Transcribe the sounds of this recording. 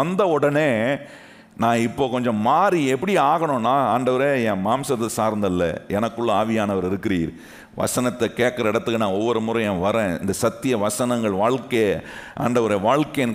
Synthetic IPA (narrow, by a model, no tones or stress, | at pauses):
ɐnd̪ɐɔɽɐneː | nãːɪpːoːkɔɲd͡ʒɔ̃maːɾiɛpːɐɽɪaːɣɐɳʊ̃nːaːaːɳɖɐʋɐɾeːɛ̃ːmaːmsɐt̪ːɐsaːɾnd̪ɐlːɐ̰ɛnɐkːɯɭːɐaːʋɪjaːnɐʋɐɾɪɾɯkːɪɾiːɾ | ʋɐ̰sɐnɐt̪ːɛkeːʈ̚kɐɾɐɪɽɐt̪ːɯkːɯnãːɔʋːɔɾɯmuːɾɐ̃j̃ɛ̃ːʋɐɾẽːɪ̰nd̪ɐsɐt̪ːɪjɐʋɐsɐnɐŋɡɐɭʋaːɭkeʔa̰ːɳɖɐʋɐɾeːʋaːɻkɐen